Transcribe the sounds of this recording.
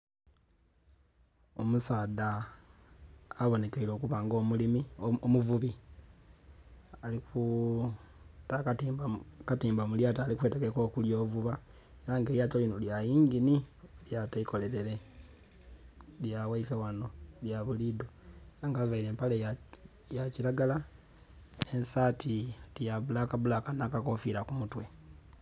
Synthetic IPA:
o̞musaːda | βo̞ne̞keilo̞ːkuβaːŋɡo̞ːmulimiomuvuβi | aliku | taktːbkatiːmbomuljaːtaːlikwe̞ːtekeko̞ːkuljo̞ːvuβa | e̞ɾaŋɡeːljaːtolinoljajiːŋɡiniljaːtaikole̞ɾe̞ɾe̞ | ljawaifewano̞ljaβulido̞ŋɡavaiɾe̞ːmpale | jacilaɡala | ensaːtitijaβulakaβulakanakako̞fiɾakumutwe̞

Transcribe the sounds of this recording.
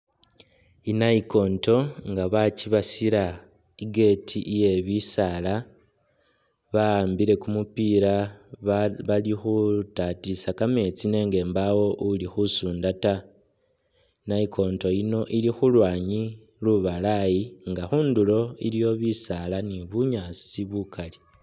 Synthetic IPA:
inaiko̞ːnto̞ŋɡaβat͡ʃiβasiɾa | iɡe̞tʰiʔije̞βisala | βaːmbiɾe̞kumupiɾa | βalixutatisakame̞t͡sine̞ːŋɡe̞ːmbawo̞ʔulixusuːndata | naikʰo̞ːnto̞ino̞ʔilixulwaːɲi | luβalajiŋɡaxuːndulo̞ilijo̞βisalaniβuɲat͡siβukʰali

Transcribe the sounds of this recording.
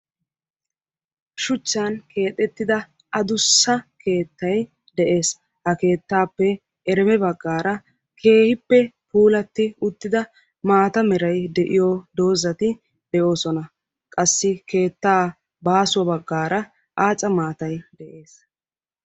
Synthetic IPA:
ʃʊt͡ʃːankʰe̞ːt̪ʼːɛt̪ːɪd̪ɐ | ɐd̪ʊsːɐke̞ːt̪ːɐj | d̪ɛʔe̞ːs | hɐke̞ːt̪ːaːpːɛ | ɛɾɛmɛbɐɡːaːɾɐ | kʰe̞ːhɪpːɛpuːlɐt̪ːɪʊt̪ːɪd̪ɐ | maːt̪ɐmɛɾɐjd̪ɛʔɪjod̪o̞ːzɐt̪ɪ | d̪ɛo̞ːsɔnɐ | kʼɐsːɪke̞ːt̪ːaː | baːsʊwɐbɐɡːaːɾɐ | ʔaːt͡sʼɐmaːt̪ɐjd̪ɛʔe̞ːs

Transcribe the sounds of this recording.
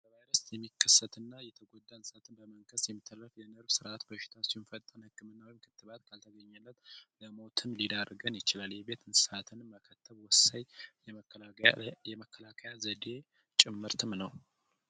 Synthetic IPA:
əvajɾəsjɛmːikʰːəsːət̪ɨnːajɛt̪ʰəɡod̪ːansʼat̪ʰɨnbəməŋkʰəsjɛmːit̪ʰːəɾəfjɛnɨɾbsɨɾʔat̪bəʃɪ̥t̪ʰat͡ʃːɛwnfət̪ʼːənhɨkːɨmɨnːawɔjɪmkʰɨt̪ːɨβat̪kʰalt̪ʰəɡəɲːalːət̪ləmo̞t̪ʰɨnlid̪arɡənjɪt͡ʃɪlaljɛβe̞t̪ɨnsat̪ʰɨnːəkʰət̪ʰːəβwɔsaɲ | jɛməkʰːəlakʰəjazəd̪e̞ | t͡ʃʼɪmːɨɾt̪ʰɨmnəw

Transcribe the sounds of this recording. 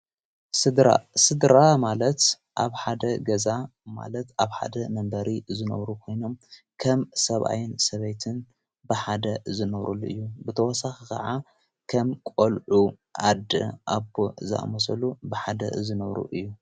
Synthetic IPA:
sɨd̪ɾa̰sɨd̪ɾamalɐt̪ | ʔaβħad̪ɐɡɐzama̰lɐt̪aβħa̰d̪ɐmɐmbɐɾizɨnɐ̰βɾukʰo̞jno̞m | kʰɐmsɐβʔa̰jɪnsɐβɐjt̪ʰɨn | bɨħad̪ɐzɨnɐβɾulːuʔɨ̰jːubɨt̪ʰɐwɔsaxikʰɐ̰ʕa | kʰɐmkʼolʕu | ʔad̪ɨ̰ʔabozɐ̰ʔa̰mɐsɐlubɨħad̪ɐ̰zɨnɐβɾṵʔɨjːu

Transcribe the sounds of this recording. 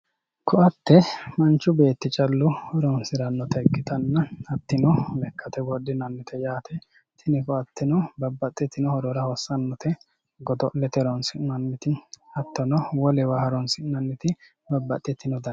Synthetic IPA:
kʰɔʔɐt̪ːɛmɐnt͡ʃːʊbe̞ːt̪ːɪt͡ʃʼɐlːʊhɔɾɔnsɪɾɐnːɔt̪ɛɪkːɪt̪ɐnːɐɐt̪ːɪnɔlɛkʰːɐt̪ɛɡɔdːɪnɐnːɪt̪ʰɛjaːt̪ʰɛ | t̪ʰɪnɪkɔɐt̪ːɪnɔbɐbːɐt̪ʼːɛt̪ːɪnɔhɔɾɔɾɐhɔsːɐnːɔt̪ʰɛ | ɡɔd̪ɔʔlɛt̪ɛɾɔnsɪnɐnːɪt̪ɪɐt̪ːɔnɔwɔlɛwɐhɐɾɔnsɪnɐnːɪt̪ɪ | bɐbːɐt̪ʼːɛt̪ːɪnɔd̪ɐ

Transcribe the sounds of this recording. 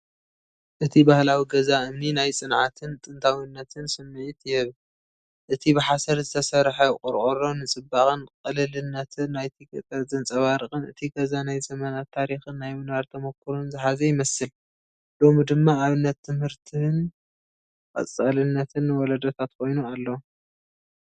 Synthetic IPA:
ʔɨt̪ʰibahlawiɡɐzaɨmninajt͡sʼɨnʕat̪ʰɨnt̪ʼɨnt̪ʰawinːɐt̪ʰɨnsɨmːɨʕit̪jɪβ | ʔɨt̪ʰibɨħasɐɾzɨt̪ʰɐsɐɾħakʼɔɾʔʼoɾonːɨt͡sʼɨbːaxʼɨnkʼɨlɨlɨnːɐt̪ʰɨnːajt̪ʰikʼɨt̪ʼɐɾzʼɨnt͡sʼɐβaɾɨxʼɨnɨ̰t̪ʰiɡɐzanajzɐmɐnat̪ʰːaɾixɨnːajmɨnaɾt̪ʰɐmokʰːɨɾunzɨħazɐjɪmɐsɨl | lo̞mid̪ɨmːaːβɨnːɐt̪ʰːɨmhɨɾt̪ʰɨn | kʼɐ̰t͡sʼɐlɨnːɐt̪ʰɨnːwɔlɐd̪ot̪ʰat̪kʰo̞jnualːɐ

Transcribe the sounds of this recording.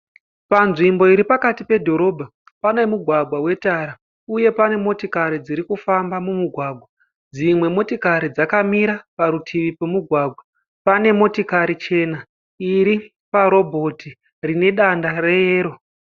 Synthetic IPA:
panʐimbo̞iɾipakatipe̞dʱo̞ɾo̞bʱa | pane̞muɡʱwaɡʱwawe̞taɾa | uje̞pane̞mo̞tikaɾid͡ziɾikufambamumuɡʱwaːɡʱwa | d͡zimwe̞mo̞tikaɾid͡zakamiɾapaɾutʰiʋipemuɡʱwaːɡʱwa | pane̞mo̞tikaɾit͡ʃe̞na | iɾi | paɾo̞bʱo̞ti | rine̞ɗandare̞jeːɾo̞

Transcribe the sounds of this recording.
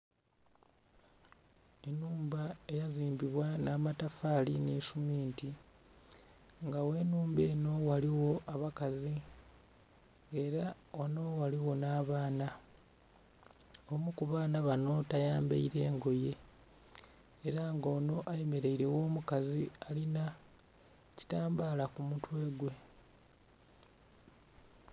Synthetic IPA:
e̞nuːmbae̞jaziːmbiβwanaːmatafaːlineʃumiːnti | ŋɡawe̞ːnuːmbe̞ːno̞waliwo̞ʔaβakazi | ŋɡe̞ːɾa | onowaliwo̞naːβaːna | omukuβaːnaβano̞tajaːmbḛiɾe̞ːŋɡo̞je̞ | eɾaŋɡo̞ːno̞ʔaje̞me̞ɾe̞iɾe̞wo̞ːmukazialina | ci̥taːmbaːlakumutwe̞ːɡwe̞

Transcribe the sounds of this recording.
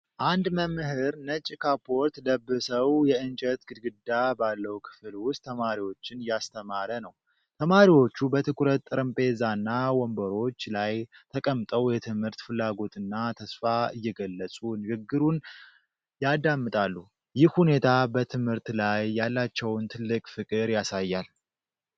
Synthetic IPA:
ʔand̪məmɨhɨɾnət͡ʃʼːikʰapʰo̞ɾt̪ləbːɨsəwjɛɨnt͡ʃʼət̪ɡɨd̪ɡɨd̪ːabalːəwukʰɨ̥flwʊst̪ʰːəmaɾiwo̞t͡ʃːɪnjast̪ʰəmaɾənəw | t̪ʰəmaɾiwo̞t͡ʃːubət̪ʰɨkʰʼuɾət̪ːʼɨɾəmpʼe̞zanːawɔmbəɾo̞t͡ʃːlajt̪ʰəkʼəmt̪ʼəwjɛt̪ʰɨmhɨɾt̪fɨlːaɡo̞t̪ʰʼɨnːat̪ʰəsfaɨjːɛɡəlːəsʼunɨɡɨɡːɨɾun | jad̪amːɨt̪ʼalːu | jɪhhune̞t̪ʰabət̪ʰɨmhɨɾt̪lajːalːat͡ʃːɛwnt̪ʰɨlːɨkʼfɨkʼɨɾjasajːal

